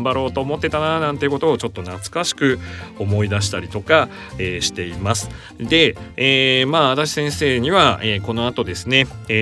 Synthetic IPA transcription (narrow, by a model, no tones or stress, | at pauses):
mbaɾo̞ːt̪oːmo̞t̪ːe̞t̪ananãnt̪e̞iɯ̟ko̞t̪o̞ːt͡ɕo̞t̪ːo̞nat͡sɨ̥kaɕi̥kɯ̟o̞mo̞id̪aɕ̬i̥t̪aɾʲit̪o̞ka | eːɕi̥t̪e̞imasɨ̥ | d̪e̞eːmaːβat̪aɕi̥sẽ̞ɰ̃se̞ːɲ̟iβaeːko̞no̞at̪o̞d̪e̞sɨne̞